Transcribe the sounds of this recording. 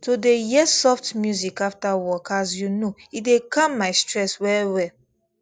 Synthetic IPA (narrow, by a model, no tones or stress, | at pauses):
todejɛsɔftmjuzikaftawɔkazjunoitdekʰãmːaɪstɹɛswɛwɛ